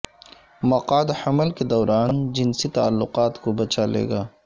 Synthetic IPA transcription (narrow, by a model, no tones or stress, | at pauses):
mɐqaːd̪ħɐməlked̪ɔːɾʔaːnd͡ʒɪnsit̪aːlːʊqaːt̪kobɐt͡ʃalḛːɡaː